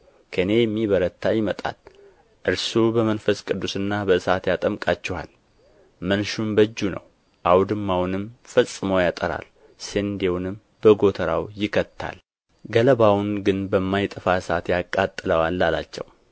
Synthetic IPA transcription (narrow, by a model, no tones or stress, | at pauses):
kʰəne̞jɛmːiβəɾət̪ʰːajɪmət̪ʼa̰l | ʔɨɾsubəmənfəskʼɨd̪ːusɨnːabəɨsat̪jat̪ʼəmkʼat͡ʃːɛwa̰l | mənʃumbəd͡ʒːunə̰w | ʔawd̪ɨmːawnɨmfəsʼːɨməwjat̪ʼəɾa̰l | send̪ewnɨm | bəɡo̞t̪ʰəɾawjɪkʰət̪ʰːa̰l | ɡələbawnɡɨnbəmːajt̪ʼɨfasat̪jakʼːat̪ʼːɨləwalːala̰t͡ʃːɛ̰w